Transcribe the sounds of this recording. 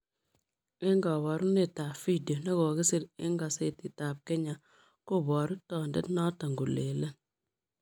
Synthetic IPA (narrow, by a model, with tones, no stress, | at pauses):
ɪ˦ŋɡɔ˨βɔ˨ɾu˦ne˦˨ta˨pfi˦di˨o˨ne˦kɔ˨kɪ˦sɪ˦ɾɪ̰˦ŋɡa˨se˦tɪ˨ta˨p̚ke˦ɲa˨ | ko˦˨bɔ˨ɾʊ˦tɔ˨ndḛ˦tnɔ˦ta˨ŋɡu˨le˨le˦n